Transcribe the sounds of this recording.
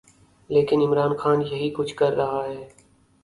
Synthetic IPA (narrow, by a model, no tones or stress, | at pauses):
leːkɪnɪmɾaːnxaːnjəɦiːkʊd͡ʒʱkəɾːɐɦaːɦeː